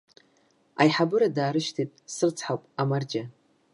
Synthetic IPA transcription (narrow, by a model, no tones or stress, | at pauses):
a̰jħabɨɾadaːɾɨʃtʰitʼsɨrt͡sʰħawpʼamard͡ʒa